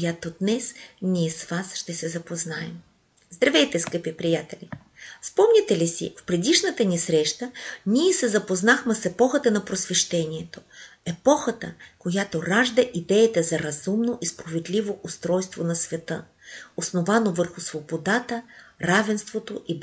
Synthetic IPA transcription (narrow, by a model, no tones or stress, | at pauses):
jat̪od̪nɛsniɛsvasʃt̪ɛsɛzɐpoznaɛm | zd̪ɾɐvɛjt̪ɛskəpipɾijat̪ɛlʲi | spɔmnʲɛt̪ɛlisḭfpɾɛd̪iʃnət̪ənisɾɛʃt̪əniɛsɛzɐpoznaxmɛsɛpɔxət̪ənɐpɾosvɛʃt̪ɛnʲiɛt̪o̥ɛpɔxət̪əkojat̪oɾaʒd̪əʔid̪ɛjət̪ɛzɐɾɐzumnoʔispɾovɛd̪lʲivoʔʊst̪ɾɔjst̪vonɐsvɛt̪ə | osnovanovəɾxʊsvobod̪at̪əɾavɛnst̪vot̪oʔib